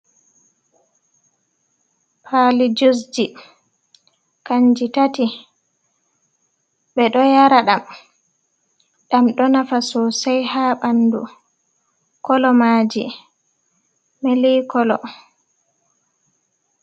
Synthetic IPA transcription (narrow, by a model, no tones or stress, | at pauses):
pʰalid͡ʒus̬d͡ʒi | kaɲd͡ʒitati | ɓɛɗɔjaɾaɗam | ɗamɗɔnafasɔsajhaɓandṵ | kɔlɔmaːd͡ʒḭ | melikɔlɔ